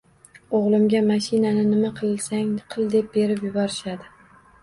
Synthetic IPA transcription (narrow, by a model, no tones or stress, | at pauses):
oʁlˠɪmɡʲamaʃɪnanɪnɪmaqʰɨlˠsaŋqʰɨlˠd̪e̞p̚be̞ɾɪpjʊbɒɾɪʃad̪ɪ